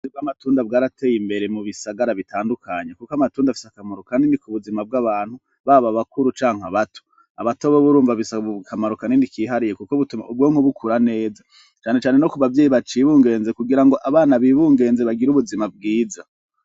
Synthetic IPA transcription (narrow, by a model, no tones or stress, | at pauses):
ibɡamatuːndab̚ɡaːɾatʰe̞ːjimbe̞ɾe̞muβisaɡaɾaβitʰaːndukʰaɲekukoamatuːndafisakamoɾokaːndinikuβuzimab̚ɡaβaːn̥hu | βaβaβakuɾut͡ʃaːŋ̥aβatʰo̥ | aβatoβoβuɾuːɱvaβisakamaɾokaninikiːɦaɾijekukoβutumaubɡoːŋ̥oβukʰuɾane̞ːza | t͡ʃaːne̞t͡ʃaːne̞nokuβavje̞ːjiβat͡ʃiβuːŋɡe̞ːnze̞kuɡiɾaŋɡo̞ʔaβaːnaβiβuːŋɡe̞ːnzeβaɡiɾuβuzimab̚ɡiːza